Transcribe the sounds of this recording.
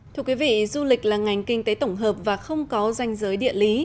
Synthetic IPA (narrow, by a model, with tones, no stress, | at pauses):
t̪ʰɨ˧əkwi˨˦vḭ˧˨zu˧lï˨˩k̟̚laː˨˩ŋa˨˩jŋ̟kï˧ŋ̟t̪e˨˦jt̪ə˧˩wŋ͡mɦəː˨˩p̚vaː˨˩xə˧wŋ͡mkɔ˨˦za˧jŋ̟zəː˨˦jɗḭ˧˨ənli˨˦